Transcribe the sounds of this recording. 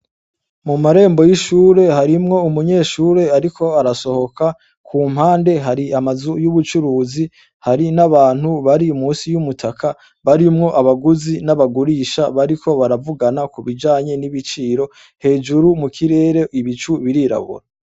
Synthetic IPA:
mumaɾe̞ːmbo̞jiʃuːɾe̞ɦaɾimŋo̞umuɲe̞ːʃuːɾe̞aɾikʰo̞aɾaso̞ho̞kʰa | kʰuːm̥haːnde̞ɦaɾiamazujuβut͡ʃuɾuːzi | haɾinaβaːn̥huβaɾimuːnsijumutʰakʰa | βaɾimŋo̞ʔaβaɡuzinaβaɡuɾiːʃaβaɾiko̞βaɾavuɡanakuβid͡ʒaːɲe̞niβit͡ʃiːɾo̞ | he̞ːd͡ʒuɾumukʰiɾe̞ːɾe̞ʔiβit͡ʃuβiɾiɾa̰βṵɾa

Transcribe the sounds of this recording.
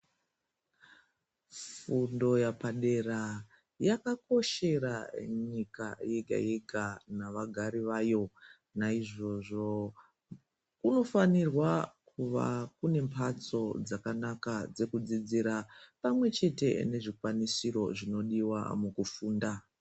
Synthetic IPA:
fundo̞japaɗe̞ra | jakako̞ʃe̞ɾaɲika̰jeɡʱa̰je̞ɡʱanaʋaɡʱaɾiʋaːjo̞ | naiʐo̞ʐo̞ | kuno̞fanirwakuʋa̰kune̞mpʰat͡so̞d͡zakanakad͡ze̞kud͡zid͡ziɾapamwe̞t͡ʃe̞te̞̰ne̞ʐikwanisiɾo̞ʐino̞ɗiwa̰mukufuːnda

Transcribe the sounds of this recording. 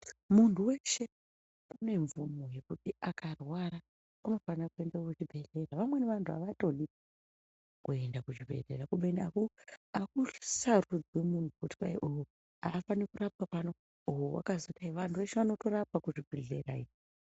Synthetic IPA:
muntuwe̞ʃe̞ | une̞ɱvumoje̞kutiakarwaɾa | anofanakue̞ndakut͡ʃibʱe̞ɮe̞raʋamwe̞neʋantʰua̰ʋato̞nia | kue̞ndakut͡ʃibʱe̞̰ɮe̞rakuɓeniakuakusarud͡zwemuntukuti̥pajʔoɦo | afanikurap̚apano | uɦowa̰kazotaiʋantʰuʋe̞ʃeʋano̞to̞rap̚akuʐibʱe̞ɮerai

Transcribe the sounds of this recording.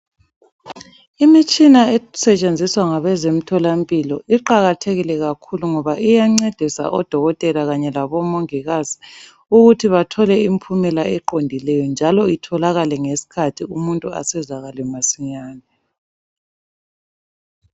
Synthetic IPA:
imit͡ʃʼinaɛsɛt͡ʃʼend͡zʱiswaŋaβɛzem̩tʰɔlampʼilɔʔiǃaɣatʰeɣilɛɣakʰuluŋɔβaʔijaŋ͡ǀed̥ʱisa̰ʔɔd̥ʱɔɣɔtʼɛlaɣaɲɛlaβɔmoŋiɣazi | uɣutʰiβatʰɔlɛimpʰumɛlaɛǃondʱilɛjɔnd͡ʒʱalɔitʰɔlaɣalɛŋesi̥kʰatʰiumuntʼua̰sɛzaɣalɛmasiɲaːnɛ

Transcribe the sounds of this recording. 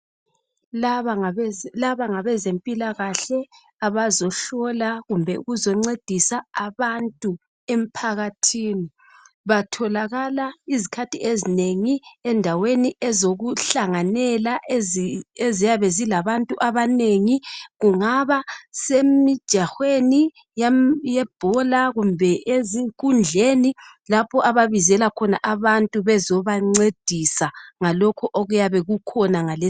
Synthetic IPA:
laβalaβaŋaβɛzempʼilaɣaɬɛ | aβazɔɬɔlaɣumbʱɛṵɣuzɔŋ͡ǀed̥ʱisaaβantʼu | em̩pʰaɣatʰiːni | βatʰɔlaɣalaizikʰatʰiezineŋiɛndʱaweniɛzoɣuɬaŋanɛlaʔ | ezijaβɛzilaβantʼuʔaβaneŋiɣuŋaβasemid̥ʒ̥ʱaxweni | jajɛb̥ʱɔlaɣumbʱɛʔeziŋkʼund͡ɮʱenilapʰɔʔaβaβizɛlakʰɔna̰ʔaβantʼuβɛzɔβaŋ͡ǀed̥ʱisaŋalɔkʰɔʔoɣujaβɛɣukʰɔnaŋale

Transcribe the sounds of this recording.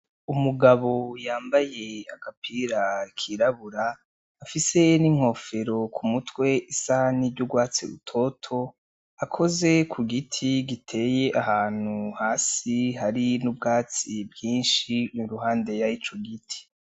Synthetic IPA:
umuɡaβojaːmbaje̞aɡ̥apʰiɾakʰiɾaβuɾaː | fise̞niŋ̥ho̞ːfe̞ɾo̞kʰumutwe̞ʔisaniɟuɡwaːt͡siɾṵtʰo̞tʰo̞ | akʰo̞ze̞kʰuɡitʰiɡitʰe̞ːje̞ʔahaːn̥huhaːsiɦaɾinubɡaːt͡sibjiːnʃiɾuɦaːnde̞jait͡ʃoɡitʰi̥

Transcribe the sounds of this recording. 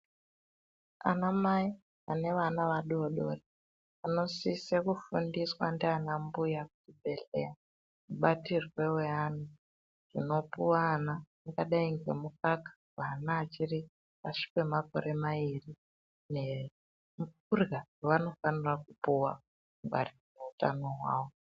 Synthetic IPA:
a̰namai | ane̞ʋanaʋaɗuoɗo̞̰re | ano̞sisekufundiswandeanambujakut͡ʃibʱe̞ɬe̞̰ja | muɓatirwe̞wean̤u | ʐ̥ino̞puwaːna | ŋɡaɗaiŋɡwḛmukakḁ | ʋanaːt͡ʃiri | aʂi̥ke̞mako̞̰ɾe̞mairi | ne | mukurɡawano̞fanirakupuwa | ŋɡwa̰rirmuuta̰no̞ɦwa̰ːwo̞

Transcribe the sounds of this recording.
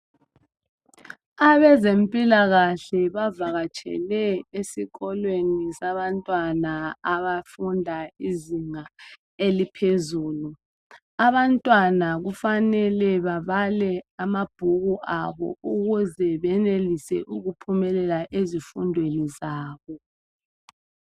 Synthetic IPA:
aβɛzempʼilaɣaɬɛβavaɣat͡ʃʼɛ̰lɛesiɣɔlwenisaβantʼwanaaβafundʱaiziŋa | elipʰezuːlu | aβantʼwanaɣufanɛlɛβaβalɛamab̥ʱuɣuʔaβɔ̰uɣuzɛβɛnelisɛ̰ʔuɣupʰumɛlɛlaʔezifundʱwenizaːβɔ

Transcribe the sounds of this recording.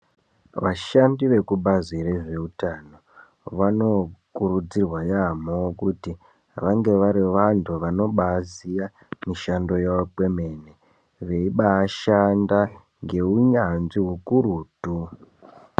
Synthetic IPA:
ʋaʃandiʋe̞kuɓazireʐe̞utano̞ | ʋano̞kurud͡zirwajamokuti | ʋaŋɡe̞ʋaɾiʋantʰuʋano̞ɓazija | miʃando̞jaake̞me̞ne | ʋe̞iɓaːʃanda | ŋɡe̞uɲanziɦukuɾuːtu

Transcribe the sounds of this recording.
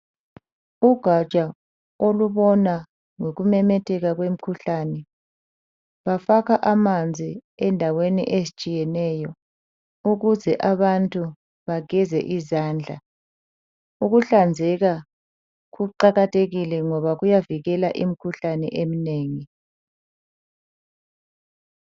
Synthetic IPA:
uɡ̥ʱḁt͡ʃʼa | oluβɔna | ŋoɣumɛmɛtʰɛɣaɣwem̩kʰuɬanɛ | βafaɣaʔamand͡zʱiɛndʱawenḭʔezit͡ʃʼijɛnɛjɔ | uɣuzɛʔaβantʼu | βaɡ̥ʱɛzɛ̰ʔizaːnd͡ɮʱa | uɣuɬand͡zʱɛɣa | ɣuǃaɣatʰeɣilɛŋɔβaɣujaviɣɛlaʔim̩kʰuɬanɛ̰ʔem̩ineːŋi

